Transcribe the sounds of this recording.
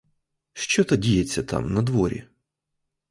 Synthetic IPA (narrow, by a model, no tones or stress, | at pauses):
ʃt͡ʃɔt̪ɐdʲijet͡sʲːɐt̪ɑ̰mnɐd̪ʋɔɾʲḭ